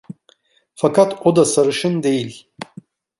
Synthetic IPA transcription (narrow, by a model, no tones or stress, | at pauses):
fakʰat̪ʰod̪asaɾɯʃɯnd̪ejilʲ